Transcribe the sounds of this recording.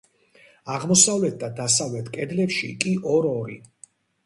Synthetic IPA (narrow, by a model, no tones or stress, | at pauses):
aʁmɔsavlɛt̪̚ʰd̪ad̪asavlɛt̪ʰkʼɛd̪lɛpʃḭkʼiʔɔɾɔɾḭ